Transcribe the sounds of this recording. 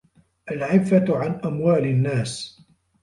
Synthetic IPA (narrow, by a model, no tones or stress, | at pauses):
ʔalʕɪfːaʕanʔamwaːlɪnːaːs